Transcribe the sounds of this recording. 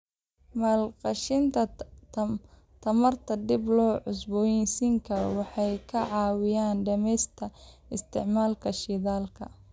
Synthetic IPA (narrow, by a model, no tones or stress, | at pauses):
maːlqɑʃɪnt̪ʰɐ | t̪ʰɐmɐrt̪ʰɐd̪ɪblɔːʕʊsbɔːjɛnsiŋkʰɐɾ̰wɑħɑjkʰɐʕɑːwɪjaːnɖɐmɛjst̪ʰɐɪst̪ʰɪʕmaːlkʰɐʃɪðaːlkʰɐ